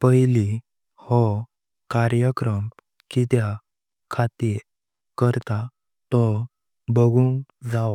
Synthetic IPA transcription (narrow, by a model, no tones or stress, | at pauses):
pəjli | hɔ | kaɾjəkɾəm | kit̪ja | kʰat̪i | kəɾt̪a | t̪ɔ | bəɡũŋd͡za